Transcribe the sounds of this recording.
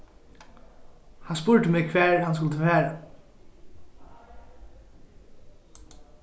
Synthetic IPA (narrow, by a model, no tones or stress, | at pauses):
hɑnspʊɹt̪əmɛːkʰʋæːɹhɑns̬kʊlt̪əʋæːɹa